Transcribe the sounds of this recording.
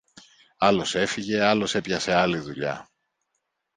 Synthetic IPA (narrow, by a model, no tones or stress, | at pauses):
ɐlo̞se̞fiʝe̞ɐlo̞se̞pʝɐse̞ɐliðuʎɐ̰